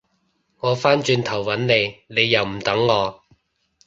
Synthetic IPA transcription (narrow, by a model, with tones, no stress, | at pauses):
ŋɔː˨˧faː˥nt͡ʃyː˧nt̪ʰɐ˨˩wwɐ˨˥nne˨˧jne˨˧jːɐ˨wm̩˨˩t̪ɐ˨˥ŋːɔː˨˧